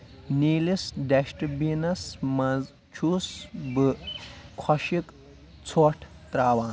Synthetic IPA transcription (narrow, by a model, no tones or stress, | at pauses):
niːlisɖɐʃʈbinɐsmɐz | t͡ʃʰuːsbɨkʰɔʃik | t͡sʰoːʈʰ | t̪ɾaːwãː